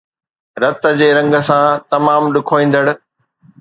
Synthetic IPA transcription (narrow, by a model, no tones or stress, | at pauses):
ɾɐt̪ə̆d͡ʑeːɾɐ̃ŋɡə̆sãt̪ɐmaːmɗʊkʰoːĩːn̆d̪əɽ̆